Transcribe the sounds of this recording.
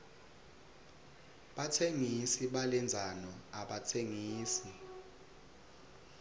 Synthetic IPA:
ɓatʰeŋisiɓalɛnd͡zʱanɔaɓatʰeŋiːsi

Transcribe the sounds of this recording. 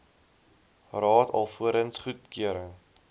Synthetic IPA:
rɑːtʰɐ̰lˠfuəɾənsχut̚kiəɾə

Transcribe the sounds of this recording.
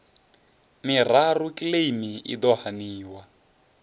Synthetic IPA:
mirarukʼilemiḭd̪ɔhaniːwa

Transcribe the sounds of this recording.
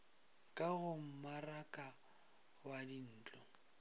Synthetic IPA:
kʼaɣʊm̩marakʼa | wadin̩ːt͡ɬʼɔ

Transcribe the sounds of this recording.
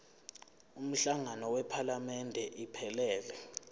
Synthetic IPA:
um̩ɬaŋanɔwɛpʰalamɛndʱɛʔipʰɛlɛːlɛ

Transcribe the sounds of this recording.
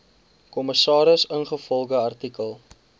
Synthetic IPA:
kɔməsɑːɾəsənχəfɔlˠχəɐrtikəlˠ

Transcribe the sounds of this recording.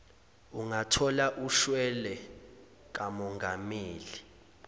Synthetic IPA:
uŋatʰɔlaʔuʃwɛlɛ | k̬ʼamɔŋɡʱameːli

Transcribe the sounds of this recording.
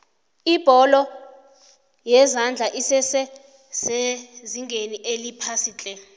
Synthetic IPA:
ib̥ʱɔlɔ | jɛzand͡ɮʱaʔisɛsɛ | z̥eziŋɡʱeniʔelipʰasiːt͡ɬʼɛ

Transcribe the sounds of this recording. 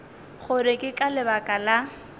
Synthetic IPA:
χʊɾɪkʼɪkʼalɪbakʼala

